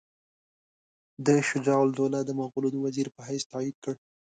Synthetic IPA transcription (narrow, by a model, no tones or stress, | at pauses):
d̪əʃʊd͡ʒɑwld̪olad̪əmaɣulod̪əwaziɾpəɦajst̪ɑid̪̚kəɽ